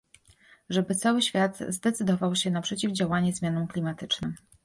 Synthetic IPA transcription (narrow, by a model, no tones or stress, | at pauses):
ʐɛbɘt̪sawɘɕfʲjad̪zd̪ɛt̪sɘd̪ɔvawɕɛnapʂɛt͡ɕivd͡ʑawaɲɛzmʲjanɔmklʲimat̪ɘt͡ʂnɘm